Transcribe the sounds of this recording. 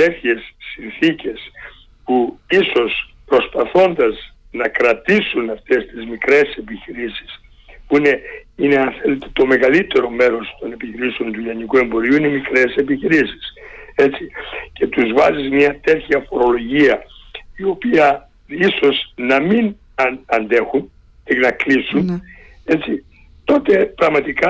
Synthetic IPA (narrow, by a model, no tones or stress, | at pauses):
t̪e̞θçe̞sːinθice̞s | puiso̞s | pɾo̞spɐθo̞nd̪ɐz | nɐkɾɐt̪isunɐft̪e̞st̪izmikɾe̞se̞piçiɾisi̥s | puine̞ine̞ɐnθe̞le̞t̪e̥t̪o̞me̞ɣɐlit̪e̞ɾo̞me̞ɾo̞st̪o̞ne̞piçiɾiseo̞nt̪ulɐnikue̞mbo̞ɾiuinemikɾe̞se̞piçiɾisi̥se̞t͡sice̞t̪uzvɐzizmɲɐt̪e̞tçɐfo̞ɾo̞lo̞ʝiɐio̞piɐ | iso̞znɐmin | ɐnd̪e̞xun | enɐklisun | et͡si | t̪o̞t̪e̞pɾɐɣmɐt̪ikɐ